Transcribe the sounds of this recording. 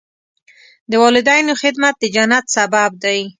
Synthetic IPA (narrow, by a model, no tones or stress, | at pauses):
d̪əwɑlɪd̪ɑjnoxɪd̪mat̪̚d̪əd͡ʒanat̪sabab̚d̪aj